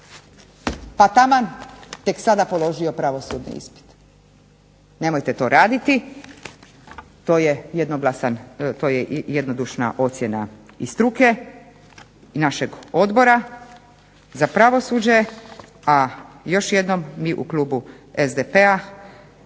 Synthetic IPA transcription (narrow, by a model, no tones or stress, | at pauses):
pat̪amant̪eksad̪apo̞lˠo̞ʒio̞pɾaʋo̞suːd̪nḭḭspi̥t̪ | ne̞mo̞jt̪e̞t̪o̞ːɾaːd̪it̪i | t̪oːjejed̪noɡlasant̪oːjejed̪nod̪uʃna̰ʔo̞t̪sʲjena | ist̪ɾuke̞ | naʃe̞ɡo̞d̪bo̞ɾa | zapɾaʋo̞suːd͡ʑe | a | jo̞ʃje̞d̪no̞mːiʔukluːbu | ezd̪epea